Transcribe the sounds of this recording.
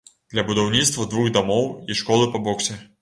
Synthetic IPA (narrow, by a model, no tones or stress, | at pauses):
d̪̥lʲɐbud̪awnʲit̪st̪vɐd̪vuɣd̪amɔwiʂkɔlˠɨpɐbɔksʲɛ